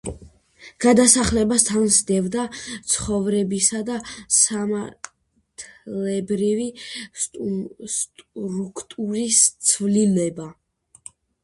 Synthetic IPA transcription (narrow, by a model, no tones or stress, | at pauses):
ɡ̥ad̪asaχlɛbast̪ʰansd̪ɛvd̪at̪sʰχɔvɾɛbisad̪asamaɾ | t̪ʰlɛbɾivi | st̪ʼɾukʰt̪ʼuɾist̪sʰvlinɛba